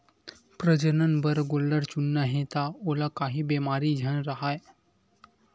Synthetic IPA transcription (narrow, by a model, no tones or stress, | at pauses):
pɾəd͡ʑənənbəɾɡolːəɾt͡ɕunːəɦet̪aolakaɦiːbemaɾiːd͡ʑʱəɳɾaɦaj